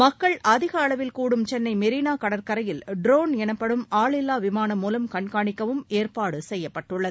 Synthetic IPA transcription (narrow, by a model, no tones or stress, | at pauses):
mɐkːɐɭɐðɪɣɐːɭɐʋɪlkuːɽɯmt͡ʃɛnːɐɪmɛɾiːnaːkɐɽɐɾkɐɾɐjɪlɖɾoːnɛnɐpːɐɽɯmaːɭɪlːaːʋɪmaːnɐmːuːlɐmkɐɳkaːɳɪkːɐʋɯmeːrpaːɽɯsɛjːɐpːɐʈːɯɭːɐð